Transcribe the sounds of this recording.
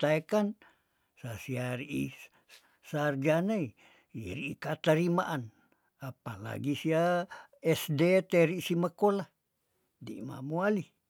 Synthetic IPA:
t̪aekan | sasiaɾiʔḭ | sard͡ʒanai | iɾiikat̪aɾimaʔan | apala̰ɡisiaɛsdet̪eɾisimakolah | dḭma̰muali

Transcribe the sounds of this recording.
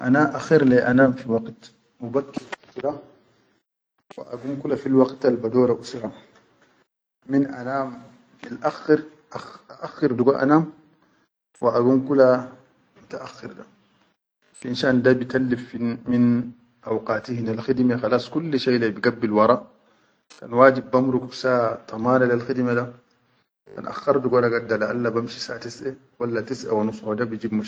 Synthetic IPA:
ʔanaʔaxiɾleʔanaːmfiwaɡt̪ | mubakːiɾusɾa | wḭʔa̰ɡumkulafilwaɡt̪albad̪oːɾaʔusɾɑ | minʔanaːm | alʔaxːɪɾ | ʔaʔaʔaxːiɾd̪uɡaʔa̰naːm | wiʔaɡumkula | mut̪aʔaxːɪɾd̪a | fʔinʃaːndabijt̪alːifmin | ʔawqɑːt̪ihinalxidmexɑlaːsˤkulːʃejlabiɡabːilwɑɾˤɑʔ | ka̰nwaːd͡ʒibːamɾukubsat̪ˤʰɑmaːnalalxid̪mada | kka̰nʔa̰xːɑɾˤduɡadaɡadːalaʔalːabamʃi̥saʔt̪isʔe | walːat̪isʔa̰wanusˤhodabijd͡ʒiːbmaʃ

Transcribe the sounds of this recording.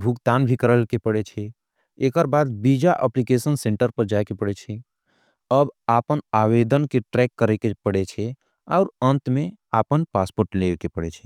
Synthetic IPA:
bʱukt̪aːnbʱikəɾəlkepəɽet͡ʃʰɛ | eːkəɾbaːd̪̚bid͡ʒaʔəplikesənsẽɳʈəɾpəɾd͡ʒaekepəɽet͡ʃʰɛ | əbaːpənaːwed̪ənkeʈɾɛkːəɾekepəɽet͡ʃʰɛ | ɔʊɾə̃nt̪mẽ | aːpənpaːspoːɾʈlekepəɽet͡ʃʰɛ

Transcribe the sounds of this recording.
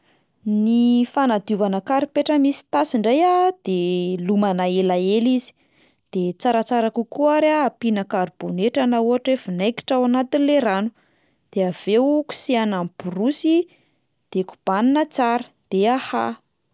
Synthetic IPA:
nifanad̪iuvanəkaɾipeʈ͡ʂəmisi̥t̪asiɳɖ͡ʐajad̪̥elumanaelaelizi̥ | d̪̥et͡saɾat͡saɾakukuaɾaːpinakaɾiboneʈ͡ʂanauɦaʈ͡ʂefunajki̥ʈ͡ʂawanat̪inleɾanu̥ | d̪̥eav̥ewku̥sianamburusi | d̪̥eku̥b̥aninət͡saɾə̥ | d̪̥eaha̰

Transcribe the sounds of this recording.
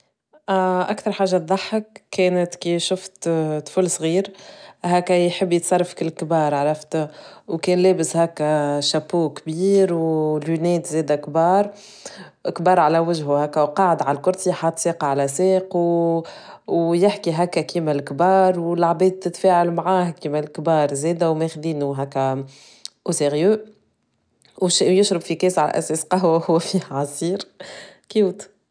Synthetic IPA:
ʔakθɑɾˤħaːʒːat̪̚ˤðˤɑħːəkːɛːnət̪kiʃʊft̪fʊlsˤɣiːɾɦæːkːæjħəbːjt̪sˤɑrˤːɑfkɪlːkbɑːɾˤʕɾˤɑft̪wkɛːnlɛːbɪshæːkːæʃæpːuːkbiːɾwlunɛːt̪zɛːd̪ækbɑːɾˤ | ʔkbɑːɾˤʕalæwɪʒɦuhæːkːæwqɑːʕəd̪ʕallkʊɾt̪iħat̪siːqɑʕalæseːqw | wjɪħkiɦækːækiːmælkbɑːɾˤwlaʕbɛːd̪̚t̪ːɪt̪fɛːʕalmʕaːhkiːmælkbɑːɾˤzɛːd̪æwmɛxd̪iːnuɦækːæ | ʔʊseʁjø | wʃjʊʃɾɑbfikɛːsʕalæ̰ʔæ̰sɛːsqɑɦwæhʊwːfihʕɑsˤiːɾkːut̪

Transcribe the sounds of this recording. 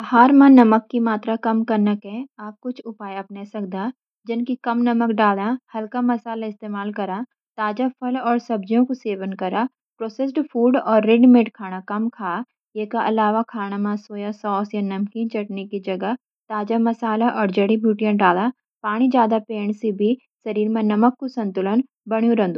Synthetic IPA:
haːɾmãnɐməkːimaːt̪ɾakɐmkɐɾnəkɦɛ̃aːp̚kʊt͡ʃʰʊpaːjɐpnesɐk̚d̪aː | d͡ʒɪnkikɐmnɐməkɖaːlãhɐlkamɐsaːlaɪst̪eːmaːlkɐɾaː | t̪aːd͡ʒapʰɐlɔːɾsɐb̚d͡ʒjõkoseːʋənkɐɾaː | pɾoːsesɖpʰuːɖɔːɾːeɖmeːʈkʰaːɽ̃akɐmkʰaː | jeːkaʔɐlaːʋakʰaːɽ̃amãsoːjasɔːsjanɐmkĩnt͡ʃɐʈnekid͡ʒɐɡa | t̪aːd͡ʒamɐsaːlaʔɔːɾd͡ʒɐɽibʱuːʈijãɖaːlã | paːɽ̃id͡ʒjaːd̪apeːɳ̃sebʱi | sɐɾiːɾmãnɐməkːosɐ̃nt̪ʊlən | bɐɽ̃jũɾɐ̃nd̪uː

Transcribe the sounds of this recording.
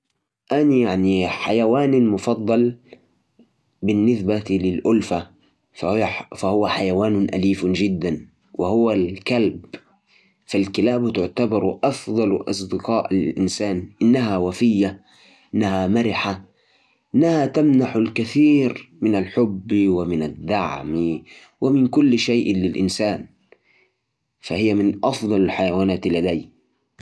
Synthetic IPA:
ʔanjaʕniħajawaːnmʊfɑd̪ˤːɑl | bɪnːɪsbat̪lɪlʔʊlfa | fahfahʊwaħajawaːnʊnʔa̰liːfd͡ʒɪd̪ːan | wɪhʊwalkalb | falkɪlaːbt̪ʊʕt̪abɑɾʔɑfd̪ˤɑlʔɑ̰s̬ˤd̪ɪqɑːʔallʔɪnsaːnʔɪnːaɦawafɪjːa | ʔɪnːahamaɾɪħa | ʔɪnːahat̪amnaħʊlkaθiːɾmɪnalħʊbːwɪmɪnad̪ːaʕmi | wʔɪmɪnkʊlːʃajʔlɪlʔɪ̰nsaːn | fahɪjːamɪnʔɑfd̪ˤɑlalħajawaːnaːt̪lːad̪aː

